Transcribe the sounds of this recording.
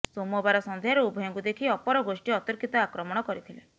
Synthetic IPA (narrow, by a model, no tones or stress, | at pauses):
somɔbaɾɔsɔnd̪ʱjaɾɔubʱɔjɔŋkud̪ekʰiɔpɔɾɔɡosʈiɔt̪ɔɾkʰit̪ɔakɾɔmɔɽ̃ɔkɔɾit̪ʰile